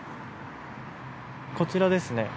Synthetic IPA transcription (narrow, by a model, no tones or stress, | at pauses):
ko̞t͡ɕiɾad̪e̞sɨne̞